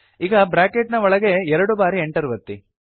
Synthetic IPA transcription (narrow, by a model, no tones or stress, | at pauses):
iːɡɐbɾaːkeʈnɐɔɭɐɡe̞ɛɾɐɽubaːɾieɳʈɐɾuʋɐt̪ːḭ